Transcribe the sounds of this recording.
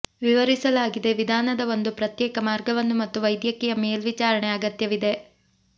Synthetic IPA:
ʋiʋɐɾisɐlaːɡid̪e̞ʋid̪ʱaːnɐd̪ɐo̞nd̪upɾɐt̪jɛːkɐmaːɾɡɐʋɐnːumɐt̪ːuʋɐjd̪jɐkːijɐmeːlʋit͡ʃaːɾɐɳeaːɡɐt̪jɐʋid̪e̞

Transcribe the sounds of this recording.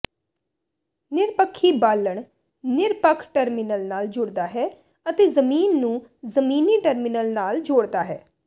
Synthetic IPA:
nɪɾpəkʰːiːbaːlːəɳ | nɪɾpəkʰʈəɾmɪnəlnaːld͡ʒʊɽd̪aːɦɛː | ət̪eːzəmiːnːũːzəmiːniːʈəɾmɪnəlnaːld͡ʒoːɽd̪aːɦɛː

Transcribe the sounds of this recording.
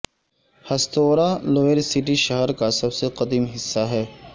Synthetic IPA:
hɐst̪oːɾaloːeɾsɪʈiʃɐɦəɾkasɐbseqɐd̪iːmɦɪsːaɦɛː

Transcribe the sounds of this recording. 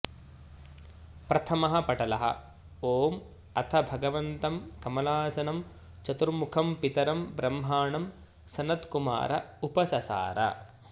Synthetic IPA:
pɾɐt̪ʰɐmɐɦɐpɐʈɐlɐɦɐ̰ | oːm | ɐt̪ʰɐbʱɐɡɐʋɐnt̪ɐmkɐmɐlaːsɐnɐm | t͡ʃɐt̪uɾmukʰɐmpit̪ɐɾɐmbɾɐmɦaːɳɐm | sɐnɐt̪kuma̰ːɾɐupɐsɐsa̰ːɾɐ̰

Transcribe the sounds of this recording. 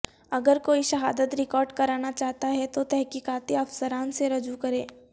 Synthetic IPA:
ɐɡəɾkoːiʃɐɦaːd̪ət̪ɾɪkɔːɾɖkɐɾaːnat͡ʃaːɦt̪aɦɛt̪ot̪ɛɦkiːkaːt̪iɐfsəɾaːnseɾɐd͡ʒukɐɾẽː

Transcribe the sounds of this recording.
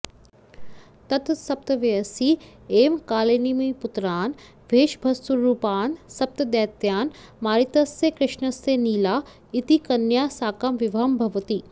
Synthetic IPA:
t̪ɐt̪sɐp̚t̪ɐʋeɐsiːeːmkaːleːnimɐjput̪ɾaːn | ʋeːʃbʱɐst̪uɾːuːpaːnsɐp̚t̪ɐd̪ɛːt̪jaːnmaːɾit̪ɐsːekɾɪʃnɐseːniːlaː | it̪ikɐnjaːsaːkɐmʋiʋʱɐmbʱɐʋɐt̪iː

